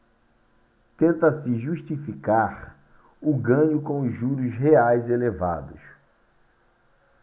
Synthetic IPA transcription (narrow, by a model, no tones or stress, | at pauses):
t̪ẽnt̪ɐsɪʒuʃt͡ʃifikaɾ | ʊɡɐ̃ɲʊkõʊzʒuɾʊsɦeajzeleva̰d̪ʊs